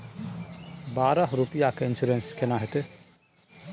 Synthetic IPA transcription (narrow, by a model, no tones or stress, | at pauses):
baːɾəɦɾupijakeɪnsuɾenskenaɦet̪e